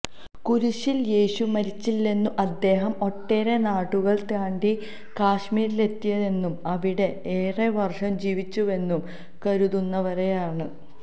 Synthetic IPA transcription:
kuɾuɕiljeːɕumɐɾit͡ɕːilːe̞nːuʔɐd̪ːe̞ːɦɐmo̞ʈːe̞ːɾe̞naːʈːuɣɐɭt̪aːɳɖi | kaːɕmiːɾile̞t̪ːijɐðe̞nːumɐʋiɽe̞eːreʋɐrʂɐmd͡ʑiːʋit͡ɕːue̞nːum | kɐɾuðunːɐʋɐɾejaːɳɨ

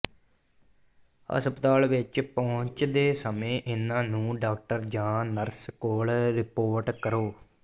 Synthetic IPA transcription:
ə̰spət̪aːlʋɪt͡ʃpɔːʊɲt͡ʃd̪eːsəmẽːʔɪnãːnũːɖaːk̚ʈəɾd͡ʒãːnəɾskoːlɾɪpoːɾʈkəɾoː

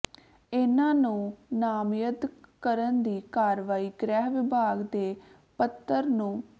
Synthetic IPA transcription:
ɪnãːnũːnaːmjəd̪kəɾənd̪iːkaːɾʋaːiːɡɾɛːɦʋɪbʱaːɡd̪eː | pət̪ːəɾnũː

